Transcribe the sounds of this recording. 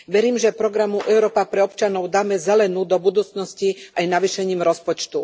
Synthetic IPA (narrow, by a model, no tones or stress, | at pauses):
ʋɛɾiːmʒɛpɾɔɡɾamuʔɛʊɾɔːpapɾɛɔpt͡ʃanɔʊd̪aːmɛzɛlɛnuːd̪ɔbud̪uːt͡snɔsciajnaʋiʃɛɲiːmɾɔspɔt͡ʃt̪u